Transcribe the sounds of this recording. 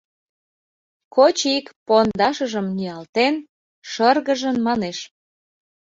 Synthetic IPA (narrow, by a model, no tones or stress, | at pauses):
kot͡ɕikpond̪ɑʃəʒəmniɑlt̪en | ʃərɣəʒənmɑneʃ